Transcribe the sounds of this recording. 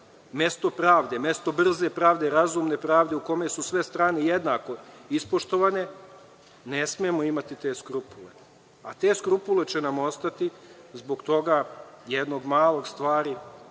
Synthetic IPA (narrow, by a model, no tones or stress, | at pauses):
me̞st̪o̞pɾaːʋd̪e̞me̞st̪o̞br̩ze̞pɾaːʋd̪e̞ɾazuːmne̞pɾaːʋd̪e̞uko̞me̞susʋe̞st̪ɾaːnejed̪naːko̞ispo̞ʃt̪o̞ʋane̞ | nesmiemoimat̪it̪e̞skɾupulḛ | at̪e̞ːskɾupule̞t͡ʃenamo̞st̪at̪izbo̞ɡt̪o̞ɡajed̪no̞ɡmaːlˠo̞ɡst̪ʋaːɾi